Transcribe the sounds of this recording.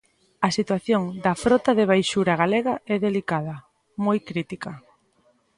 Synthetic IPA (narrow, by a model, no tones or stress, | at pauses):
ɐsit̪waθjoŋd̪ɐfɾɔt̪aðeβ̞ajʃuɾaɣ̞aleɣɐɛðelikaðɐ | mojkɾit̪ikɐ